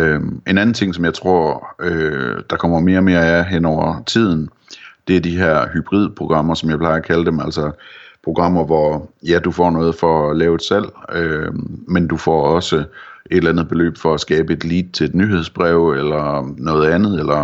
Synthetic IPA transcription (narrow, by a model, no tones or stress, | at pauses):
øe̝næn̩t͡sʰe̝ŋ̰sɒ̽mjɑ̈ɪt͡sʰʁo̝ɐ̰ød̥ɑ̈kʰɒ̽m̰ɐme̝ːɐme̝ːɐæɐɐɦen̰ɒʊɐt͡sʰið̰ˠn̩ | d̥e̝æɐd̥iɦeɐ̰hyb̥ʁið̰ˠpʰʁo̝ɡ̥ʁɑ̈m̰ɐsɒmjɑɪpʰlɑ̈ɪɐːkʰæləd̥emæl̰sɐpʰʁo̝ɡ̥ʁɑ̈m̰ɐʋɒjæd̥ufɒ̰ːnɔ̽ːð̩ˠfɒlɛːʊe̝d̥sel̰ømend̥ufɒ̰ɒ̽səe̝ɾelænð̩ˠb̥e̝lø̰ːb̥fɒ̽æsɡ̥ɛːb̥əe̝d̥liːd̥̚t͡sʰe̝le̝d̥nyɦe̝ð̞ˠsb̥ʁɛʊelɐnɔ̽ːð̞̩ˠænð̩ˠelɐ